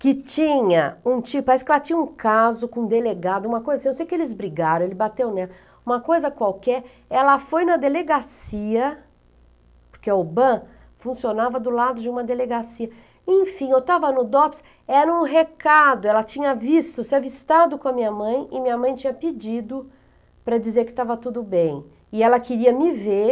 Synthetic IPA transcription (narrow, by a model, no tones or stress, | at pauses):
kɪt͡ʃĩɲɐũt͡ʃiʊpaɾɛsɪ̥kɪɛlɐt͡ʃĩɲɐũkazʊkõd̪eleɡad̪ʊũmɐkojzɐsĩñsejʊkelɪzbɾiɡaɾɐ̃w̃elɪbat̪ewnɛ | ũmɐkojzɐkwawkɛɾ | ɛlɐfojnɐd̪eleɡasiɐ | po̥ɾkeobɐ̃ | fũsionavɐd̪ʊlad̪ʊd͡ʒɪũmɐd̪eleɡasiɐ | ẽfĩewt̪avɐnʊd̪ɔps | ɛɾũɦekad̪ʊɛlɐt͡ʃĩɲɐvist̪ʊseɐvist̪ad̪ʊkõɐmĩɲɐmɐ̃j̃ɪmĩɲɐmɐ̃j̃t͡ʃĩɲɐped͡ʒid̪ʊ | pɾɐd͡ʒizeɾkɪ̥t̪avɐt̪ud̪ʊbẽj̃ | ɪɛlɐkɪɾiɐmɪve